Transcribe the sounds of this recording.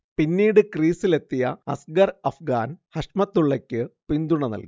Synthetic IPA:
pinːiːɽɨkriːsile̞t̪ːijɐ̰ɐ̰sɡɐrɐfɡaːnhɐʂmɐt̪ːuɭːɐkʲːɨpind̪uɳɐnɐ̰lɡi

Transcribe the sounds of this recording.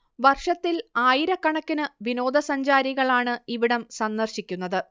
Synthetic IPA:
ʋɐrʂɐt̪ːilaːjiɾɐkːɐɳɐkːinɨʋino̞ːd̪ʱɐsɐɲd͡ʑaːɾiɣɐɭaːɳɨiʋiɽɐmsɐnːɐrɕikʲːunːɐðɨ

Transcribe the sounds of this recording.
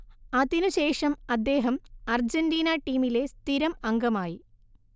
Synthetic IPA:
ɐðinuɕe̞ːʂɐmɐd̪ːe̞ːɦɐmɐrd͡ʑɐndiːnɐʈːiːmile̞st̪iɾɐmɐŋɡɐmaːji

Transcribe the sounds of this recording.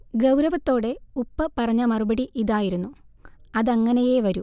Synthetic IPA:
ɡɐwɾɐʋɐt̪ːo̞ːɽe̞upːɐpɐrɐɲːɐmɐrubɐɽiʔiðaːjiɾunːuɐðɐŋːɐneje̞ʋɐɾu

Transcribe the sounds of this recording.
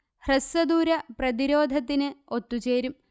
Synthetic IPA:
hrɐsɐd̪uːɾɐprɐðiɾo̞ːd̪ʱɐt̪ːinɨot̪ːut͡ɕe̞ːɾum

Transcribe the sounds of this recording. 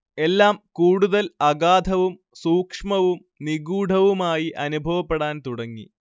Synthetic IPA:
e̞lːaːmkuːɽuðɐlɐɡaːd̪ʱɐʋum | suːkʂmɐʋum | niɡuːɖʱɐʋumaːjiʔɐnubʱɐʋɐpːe̞ɽaːnt̪uɽɐŋːḭ

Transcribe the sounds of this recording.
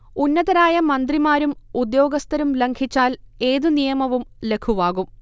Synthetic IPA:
unːɐðɐɾaːjɐmɐnd̪rimaːɾumud̪jo̞ːɡɐst̪ɐɾumleŋkʰit͡ɕːaːle̞ːðunijɐmɐʋumle̞kʰuʋaːɣum

